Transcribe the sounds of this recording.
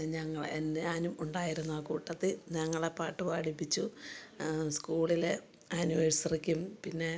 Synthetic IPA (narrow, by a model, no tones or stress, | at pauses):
ɲɐŋːɐɭḛndaːnumuɳɖaːjiɾunːuaːkuːʈːɐt̪ːilɲɐŋːɐɭepaːʈːɨʋaːɽipːit͡ɕːu | skuːɭile | aːniʋɐɻsɐrikʲːumpinːe̞